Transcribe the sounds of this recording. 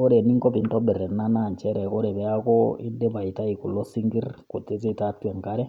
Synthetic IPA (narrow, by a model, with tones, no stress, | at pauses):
o˦ɾɛ˨ni˦ŋkɔ˦pi˨ntɔ˦ɓɛ˨ɾɛ˨na˦na˨ɲt͡ʃɛ˦ɾɛ˨ko˦ɾɛ˨βɛ˦akɔḭ˦nde˦βa˨ita˦i˨ku˨lɔ˦si˦ŋɡi˦rko˨te˦ze˦tatwɛ˨ŋka˦ɾɛ˦